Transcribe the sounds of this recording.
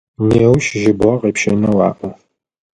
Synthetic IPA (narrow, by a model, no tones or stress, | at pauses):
neːwʃʒɪbʁɐqeːpʃɐnɐwɑːʔu